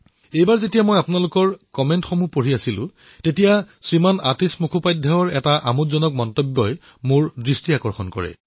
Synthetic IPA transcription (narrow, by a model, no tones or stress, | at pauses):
ejbaɹzetijamojapʊnalʊkɔɹkɔmentxomupoɹiasilʊ̰̃ | tetijasɹimanatismukʰupajdʱːaɔɹɛtaʔamutzɔnɔk̚mɔntɔbːɔj | mʊɹdɹistiakɔɹxɔnkɔ̰ɹɛ̰